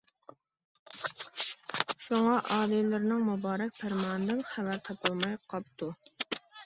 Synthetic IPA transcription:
ʃuŋɑʔɑːlilɪɾnɪŋmubɑːɾɛk̚ʲpʰæɾmɑːnɨd̪ɪnχævæɾt̪ʰɑpʰɨlˠmɑjqʰɑp̚t̪ʰu

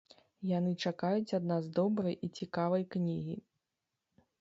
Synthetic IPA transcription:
janɨt͡ʂakajut͡sʲad̪nazd̪ɔbɾɐjit͡sʲikavɐjknʲiɣʲḭ

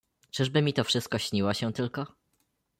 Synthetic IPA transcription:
t͡ʂɘʐbɘmʲit̪ɔfʂɘst̪̚kɔɕɲiwɔɕɛ̃t̪ɘlkɔ

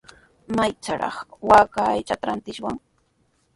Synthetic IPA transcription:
majt͡saɾɑ̰χwaːkaːjt͡ʃat̪aɾant̪ɪʃwaŋ

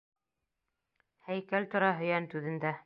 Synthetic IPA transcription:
hæjkælt̪ŏɾɑɦɵ̆jænt̪ʉðɘ̆nd̪æ

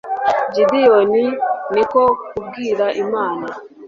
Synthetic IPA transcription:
d͡ʒidɪjonɪnɪkɔkuɡiɾaʔimaːna

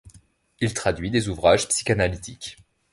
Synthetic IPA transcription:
ilt̪χad̪ɥid̪ezuvʁaʒpsi̥kanalit̪ikʲ

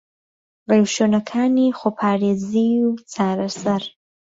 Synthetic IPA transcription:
ɣewʃonakʰanixopʰɑːɾeziut͡saɾasaɾ

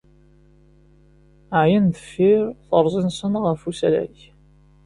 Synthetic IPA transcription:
ʕjənðə̥fːɪɾθəɾˤzˤinsənʁəfusælæ̰ç

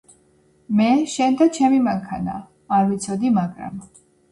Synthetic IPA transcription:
mɛʃɛnd̪at͡ʃʰɛmimaŋkʰana̰ː | ɾvit̪sʰɔd̪imakʼɾa̰m

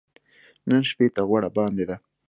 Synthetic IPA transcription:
nənʃpet̪aɣwaɽabɑnd̪ed̪a

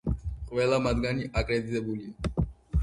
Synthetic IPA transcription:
qʼʋɛlamad̪̚ɡaniʔakʼɾed̪it̪ʼɛbuli

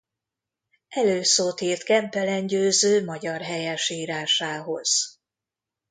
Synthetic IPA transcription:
ʔɛløːsoːt̪iːrt̪kɛmpɛlɛɲɟøːzøːmɒɟɒrɦɛjɛʃiːɾaːʃaːɦo̞̰z̥

